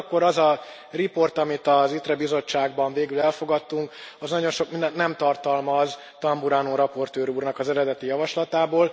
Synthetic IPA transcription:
kːo̞ɾɒzɒ | ripo̞rt̪ɒmit̪ɒzit̪rɛbizo̞t͡ʃːaːɡbɒɱveːɡylɛlfo̞ɡɒt̪ːuŋkɒznɒɟo̞nʃo̞kmind̪ɛnt̪nɛmt̪ɒrt̪ɒlmɒz | t̪ɒmbuɾaːnoːɾɒpo̞rt̪øːɾuːrnɒkɒzɛɾɛd̪ɛt̪ijɒvɒʃlɒt̪aːboːl

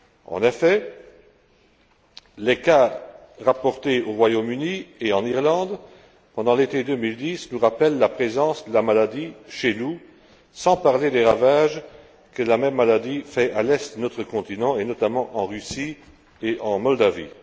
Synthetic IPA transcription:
ɑ̰̃nefɛ | leka | ʁapɔʁt̪eoʁwajomynieɑ̃niʁlɑ̃d̪ | pɑ̃d̪ɑ̃let̪ed̪ømild̪isnuʁapɛlːapχezɑ̃sd̪əlamalad̪iʃenu | sɑ̃paʁled̪eʁavaʒ | kəlamɛmːalad̪ifɛalɛst̪ənɔt̪χəkɔ̃t̪inɑ̃enɔt̪amɑ̃ʔɑ̃ʁysi | eʔɑ̃mɔld̪avḭ

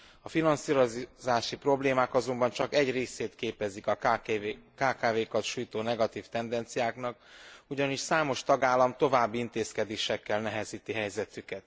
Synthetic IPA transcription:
ɒfinɒnsiːɾozaːʃipro̞bleːmaːkɒzo̞mbɒnt͡ʃɒkɛɟreːseːt̪keːpɛzikɒ | kaːkaːveːkɒt̪ʃuːjt̪oːnɛɡɒt̪iːft̪ɛnd̪ɛnt̪sijaːknɒkuɟɒniʃsaːmo̞ʃt̪ɒɡaːlːɒmt̪o̞vaːbːiint̪eːskɛd̪eːʃɛkːɛlnɛɦɛziːt̪iɦɛjzɛt̪ykɛt̪

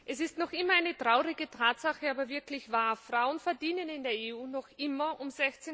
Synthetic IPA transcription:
ʔɛsɪstnɔχʔɪmɐaɪnətʁ̥aʊʁɪɡətʰaːtz̥aχəaːbɐvɪɐklɪçv̥aːɐfʁ̥aʊənfɛɐdiːnənɪndeːɐeuːnɔχʔɪmɐʔʊmzɛçt͡se

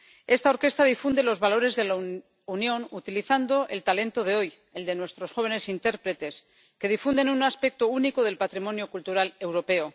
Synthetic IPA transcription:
e̞st̪ao̞ɾke̞st̪aðifund̪e̞lo̞zβalo̞ɾe̞zðe̞la | unjo̞nut̪iliθand̪o̞ʔe̞lt̪ale̞nt̪o̞ð̞e̞o̞j | e̞ld̪e̞nwe̞st̪ɾo̞sxo̞β̞e̞ne̞sint̪e̞ɾpɾe̞t̪e̞s | ke̞ð̞ifund̪e̞nunaspe̞k̚t̪o̞uniko̞ð̞e̞lpat̪ɾimõ̞njokult̪uɾale̞wɾo̞pe̞o

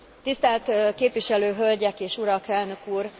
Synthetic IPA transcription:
t̪ist̪ɛlt̪keːpʋiʃɛløːɦølɟɛkeːʃuɾɒkɛlnø̞kuːr

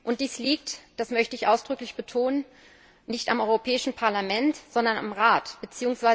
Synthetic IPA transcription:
ʔʊnt̚d̥iːsliːk̚td̥asmœçtəɪçʔaʊsd̥ʁʏklɪçb̥ətʰoːnən | nɪçtamʔɔʏʁopʰɛːɪʃn̩pʰaɐlamɛntz̥ɔndɐna̰mʁaːtb̥ət͡siːʊŋsv̥aɪ

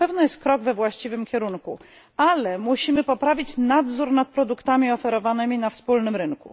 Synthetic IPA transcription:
ɛvnɔjɛst̪̚kɾɔɡvɛvwaɕt͡ɕivɘmkʲɛɾuŋku | alɛmuɕimɘpɔpɾavʲit͡ɕnad̪zuɾnat̪̚pɾɔd̪ukt̪amʲiɔfɛɾɔvanɘmʲinafspulnɘmɾɘŋkṵ

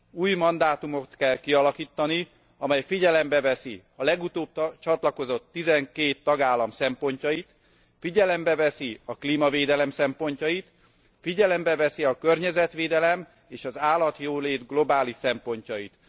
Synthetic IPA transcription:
uːjmɒnd̪aːt̪umo̞t̪kɛlkiɒlɒkiːt̪ːɒni | ɒmɛjfiɟɛlɛmbɛvɛsḭ | ɒlɛɡut̪oːb̚t̪t͡ʃɒt̪lɒko̞zo̞t̪ːizɛŋkeːt̪ːɒɡaːlːɒmsɛmpo̞ɲcɒjit̪ | fiɟɛlɛmbɛvɛsiɒkliːmɒveːd̪ɛlɛmsɛmpo̞ɲcɒjit̪ | fiɟɛlɛmbɛvɛsiɒkørɲɛzɛt̪ʋeːd̪ɛlɛm | eːʃɒzaːlːɒt̪joːleːd̪ɡlo̞baːliʃsɛmpo̞ɲcɒjit̪

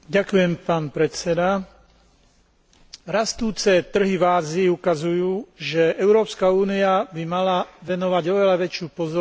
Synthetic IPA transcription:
ɟakujɛmpaːnpɾɛt͡sɛd̪a | ɾast̪uːt͡sɛt̪r̩ɦivaːziːukazujuːʒɛʔɛʊɾɔːpskauːniabimalaʋɛnɔʋaɟɔʋɛlaʋɛt͡ʃɪuːpɔzɔ

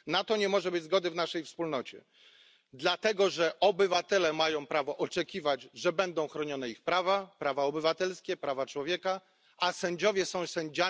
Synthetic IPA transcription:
nat̪ɔɲɛmɔʐɛbɘd͡ʑʲzɡɔd̪ɘvnaʂɛjfspulnɔt͡ɕɛ̰ | d̪lat̪ɛɡɔʐɛʔɔbɘvat̪ɛlɛmajɔ̃w̃pɾavɔʔɔt͡ʂɛkʲivad͡ʑʐɛbɛnd̪ɔ̃w̃xɾɔɲɔnɛixpɾavapɾavaɔbɘvat̪ɛlskʲɛpɾavat͡ʂwɔvʲjɛka | asɛɲd͡ʑɔvʲjɛsɔ̃w̃sɛɲd͡ʑa

